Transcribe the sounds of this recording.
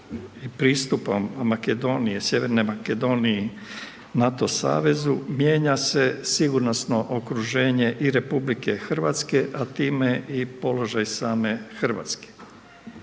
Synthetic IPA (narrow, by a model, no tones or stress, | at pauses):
ipɾiːst̪upammake̞d̪o̞ːnije̞sjeʋe̞ɾne̞make̞d̪o̞nie | nat̪o̞sa̰ːʋe̞zumje̞ːɲase̞siɡuɾnosno̞ʔokɾuʒe̞ːɲe̞ʔiɾe̞publike̞xr̩ʋa̰t̪ske̞ʔat̪iːmeipo̞lo̞ʒajsaːme̞xr̩ʋa̰ːt̪ske̥